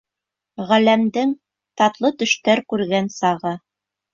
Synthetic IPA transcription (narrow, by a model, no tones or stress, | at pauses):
ʁælæmd̪ɘŋ | t̪ɑt̪lˠɤt̪ɵ̆ʃt̪æɾkʉɾɡænsɑʁɤ